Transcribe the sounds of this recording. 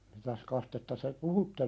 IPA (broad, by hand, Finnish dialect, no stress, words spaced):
mitæs kɑstetːɑ te puhutːe